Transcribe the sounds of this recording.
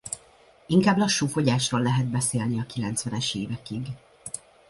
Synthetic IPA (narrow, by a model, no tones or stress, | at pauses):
iŋkaːblɒʃːuːfo̞ɟaːʃroːlːɛɦɛd̪̚bɛseːlniɒkilɛnt̪sʋɛnɛʃeːvɛkiɡ